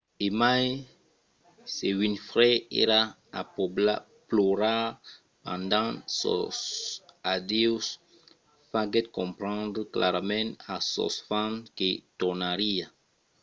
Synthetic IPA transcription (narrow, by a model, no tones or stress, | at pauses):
emaj | sewinfʁɛḛɾa | a̰pobla | ploɾa | pãnd̪ãsɔ̰sad̪iws | faɡɛt̪̚kɔ̃mpɾɑ̃nd̪ɾəkla̰ɾmɛ̃asɔ̰sfãnket̪unaɾia